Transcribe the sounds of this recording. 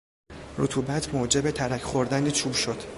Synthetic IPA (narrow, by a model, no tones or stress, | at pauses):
ɾut̪ʰuːbæt̪ʰmoːd͡ʒe̞bet̪ʰæɾæcʰχoɾd̪ænd̪et͡ʃʰuːbʃo̞d̪̥